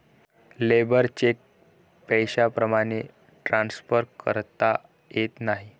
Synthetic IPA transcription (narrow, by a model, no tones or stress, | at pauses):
lebəɾt͡ɕek̚ | pəjɕapɾəmaɽ̃e | ʈɾansfəɾkə̰ɾt̪a | jet̪naɦi